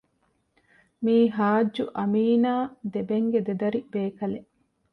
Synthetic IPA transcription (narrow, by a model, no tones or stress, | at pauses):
miːɦaːd͡ʒːuʔɐmiːnaːd̪ebeŋɡed̪ed̪ɐɾib̥eːkɐle